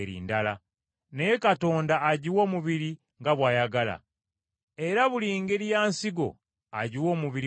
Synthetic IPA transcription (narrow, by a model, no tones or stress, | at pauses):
eɾḭːndala̰ | neje̞kato̞ːndaːɟiwo̞ːmuβiɾi | ŋɡaβwaːjaɡala̰ | e̞ɾaβuliŋɡe̞ɾijaːnsiɡo̞̰ | aɟiwo̞ːmuβiɾi